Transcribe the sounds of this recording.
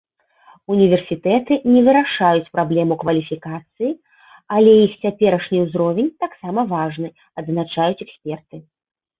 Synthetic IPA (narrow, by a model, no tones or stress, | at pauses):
unʲivʲɛrsʲit̪ɛt̪ɨnʲɛvɨɾaʂajut͡sʲpɾablʲɛmukvɐlʲifʲikat̪sɨji | alʲɛjixt͡sʲapʲɛɾɐʂnʲiwzɾɔvʲɛnʲt̪aksamɐvaʐnɨ | ɐd̪nat͡ʂajut͡sʲɛksʲpʲɛrt̪ɨ